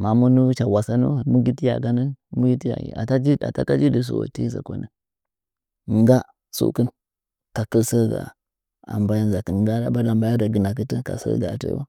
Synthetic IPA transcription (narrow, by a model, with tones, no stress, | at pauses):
ma˨mu˦nu˦t͡ʃa˨wa˨sa˦nṵ˦mu˦ɡi˦ti˦ja̰˨ɡa˦nə˦nmu˦ɡi˦ti˦ja̰˨ɡḭ˨a̰˨ta˦d͡ʒi˦da̰˨ta˦ka˦d͡ʒi˦di˨s̬ṵ˨wo̰˨ti˦za̰˨ko̰˨˦nə˦ | ŋ˦ɡa˦ | sṵ˦kə˦n | ka˨kə˦lsə˦ɾɡa̰˨ | a̰˨mba˦ja˦nza˨kə˨˦ɡa˦a̰˦ba˦la˨mba˦ja˦da˨ɡi˨na˨k̬i˦tə˦ka̰˨sə̰˦ɡa˨tḛ˦wa˦